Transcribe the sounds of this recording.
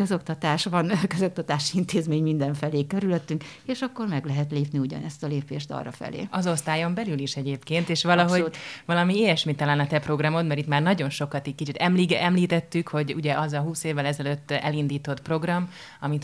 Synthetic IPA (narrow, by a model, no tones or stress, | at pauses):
køzo̞kt̪ɒt̪aːʃʋɒnkøzo̞k̚t̪ɒt̪aːʃiint̪eːzmeːɲmind̪ɛɱfɛleːkøɾyløt̪ːyŋkeːʃɒkːo̞rmɛɡlɛɦɛt̪leːpniuɟɒ̰nɛst̪ɒleːpeːʃt̪ɒ̰rɒ̰fɛ̰lḛːɒzo̞st̪aːjo̞mbɛlyliʃɛɟeːpkeːnt̪eːʃʋɒlɒɦo̞vɒlɒmieːjɛʃmit̪ːɒlanɒt̪ɛpro̞ɡrɒmo̞t̪mɛɾit̪maːrnɒɟo̞nʃo̞kɒt̪ickit͡ʃit̪ɛmliɛmliːt̪ɛt̪ːykho̞ɟṵɟɛʔɒzɒɦuːseːvːɛlɛzɛløt̪ːɛ̰lind̪iːt̪o̞t̪pro̞ɡrɒm | ɒmit̪